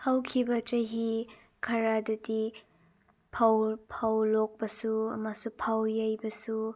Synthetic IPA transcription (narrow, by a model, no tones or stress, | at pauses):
hawkʰibɐt͡ʃɐɦi | kʰɐɾadɐdi | pʰawpʰawlok̚pɐsuɐ̰masupʰawjajbɐsu